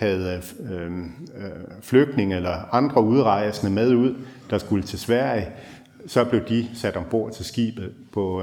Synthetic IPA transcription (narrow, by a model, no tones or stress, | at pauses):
hæð̩ˠ | fløɡ̥̚d̥ne̝ŋelɐɑ̈nd̥ʁɐuð̞ˠʁɑ̈ɪ̰snəmæð̞ˠuð̞̰ˠd̥ɑ̈sɡ̥ulət͡sʰe̝sʋæɐ̰i | sɒ̽b̥le̝ʊd̥isæd̥ɒ̽mb̥o̝ɐ̰̥t͡sʰe̝lsɡ̥ḭːb̥ð̩ˠpʰɒ̽